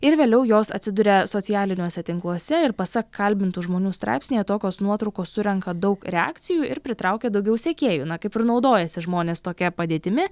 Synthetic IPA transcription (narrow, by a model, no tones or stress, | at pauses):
ɪɾʋʲeːlʲɛʊjoːsɐ̰t̪ʲsʲɪd̪ʊɾʲɛsoːtt͡s̪ʲɪjæːlʲɪnʲuɔsʲɛt̪ʲɪŋklˠuɔsʲɛɪɾpɐsɐkkːɐlʲbʲɪnt̪ʊʒmoːnʲuːst̪ɾɑ̰ɪpsʲnʲejɛt̪oːkʲoːsnuɔt̪ɾɐʊkoːssʊɾʲɛŋkɐd̪ɐʊkɾʲɛɑ̰ːkt̪sʲɪjuːɪɾpʲɾʲɪt̪ɾɑʊkʲɛd̪ɐʊɡʲɛʊsʲɛkʲeːjuːnɐkɐɪpɪrnɒʊd̪oːjɛsʲɪʒmoːnʲeːst̪oːkʲɛpɐd̪ʲeːt̪ʲɪmʲɪ